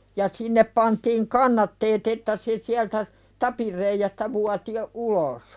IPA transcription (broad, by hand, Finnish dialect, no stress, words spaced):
jɑ sinːep pɑntiːŋ kɑnːɑtːeːt etːæ se siæltæ tɑpir reijæstæ ʋuɑti jo ulos